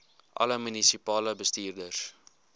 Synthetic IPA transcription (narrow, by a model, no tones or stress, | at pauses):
ʔɐ̰ləmynisipɑːləbəstiːrdəs